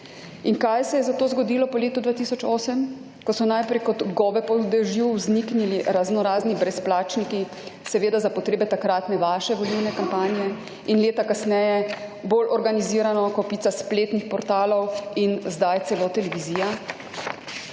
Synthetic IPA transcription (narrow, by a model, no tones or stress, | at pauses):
iŋkajsɛjɛzat̪oːzɡɔd̪ilɔpɔleːt̪ud̪vaːt̪isɔt͡ʃoːsɛm | kɔsɔnajpɾɛjkɔd̪ɡɔːbɛpɔd̪ɛʒiwznikniliɾaznɔɾaːznibɾɛsplaːt͡ʃniki | sɛʋeːd̪azapɔt̪ɾeːbɛt̪akɾaːt̪nɛʋaːʃɛʋɔliwnɛkampaːnijɛ | inleːt̪akasnɛjɛboːlʔɔɾɡaniziːɾanɔkɔpiːt̪saspleːt̪nixpɔɾt̪aːlɔwinzd̪ajt̪sɛloːt̪ɛlɛʋiziːja